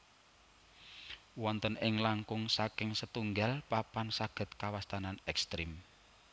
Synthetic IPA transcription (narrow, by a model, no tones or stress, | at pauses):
wɔnt̪ənɪŋlaŋkʊŋsakɪŋsət̪uŋɡalpapansaɡ̥ə̤t̪̚kawast̪ananɛkst̪ɾim